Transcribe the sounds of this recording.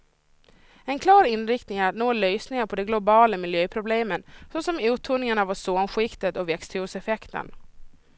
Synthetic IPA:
ɛnkʰlɑːɾɪnɾɪkt̪nɪŋæɾat̪noːlœjsnɪŋaɾpʰɔd̪ɛɡlʊbɑːləmɪljøːpʰɾʊbleːmənsɔsɔmʉ̟ːt̪ʰʊːnɪŋaɳavasoːnɧɪkt̪ət̪ɔvɛkst̪ʰʉusɛfɛkt̪ə̰n

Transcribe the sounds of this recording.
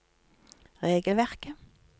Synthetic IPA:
ʁeːɡəlʋæʁkə

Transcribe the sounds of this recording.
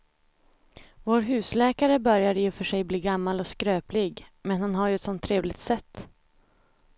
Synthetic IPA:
voːɾɦʉ̟ːslɛːkaɾəbœɾjad̪əjɵfœʂɛjbliːɡamːalɔskɾøːplɪɡmɛnhanɦaɾjɵɛt̪sɔnt̪ʰːɾeːvlɪɡt̪sɛt̪ː

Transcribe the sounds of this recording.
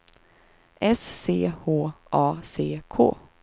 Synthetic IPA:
ʔɛsːeːhoːʔɑːseːkʰo̰ː

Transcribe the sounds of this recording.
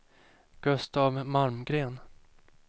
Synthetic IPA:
ɡ̥ɵst̪avmaɾmɡɾeːn

